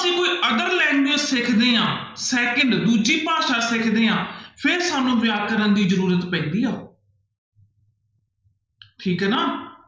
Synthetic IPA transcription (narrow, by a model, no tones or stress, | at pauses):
əsĩːkoːiːʔəɡ̪əɾlɛːŋɡɪõːsɪkʰd̪eːãːsɛːkəɳɖd̪uːd͡ʒiːpaːʃaːsɪkʰd̪eːãːpʰɪɾsaːnũːʋɪjaːkəɾənd̪iːzəɾuːɾət̪pɛ̃ːnd̪iːaː | ʈʰiːkɦɛːnaː